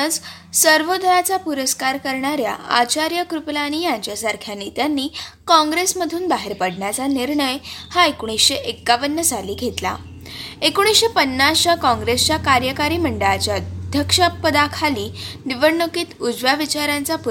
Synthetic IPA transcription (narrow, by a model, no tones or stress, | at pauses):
əd͡z | səɾʋod̪ʱəɾat͡sapuɾəskaɾkəɾɳaɾja̰ʔa̰t͡ɕaɾjəkɾuplañijaɲt͡ɕjasaɾkʰjanit̪janːiːkɔ̃ŋɡɾesməd̪ʱuːnbaɦeɾpəɽɳjat͡saniɾɳəjhaekuɽ̃isɕeʔekːaʋənːəsaliːɡʱet̪la̰ | ekoɽ̃isɕepənːasɕakɔ̃ŋɡɾest͡ɕjakaɾjəkaɾiːməɳɖəɭat͡ɕjaəd̪ʱjəkʂəpːəd̪akʰaliːniʋəɳːəkiːt̪ud͡zʋaʋit͡ɕaɾjãnt͡sapu